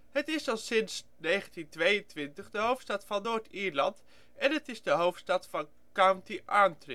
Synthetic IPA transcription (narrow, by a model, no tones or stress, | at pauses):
ɦətɪsɑsɪns | nejχəntintʋejəntʋɪntəχdəɦowftstɑtfɑnːoːɹtiːɹlɑnt | ɛnətɪzdəɦowftstɑtfɑn | kawntiʔaːntrɪ